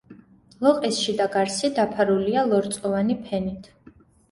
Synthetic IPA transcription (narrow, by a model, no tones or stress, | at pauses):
lˠɔqʼisʃid̪aɡaɾsid̪apʰaɾulialˠɔɾt̪sʼɔvanipʰɛnit̪ʰ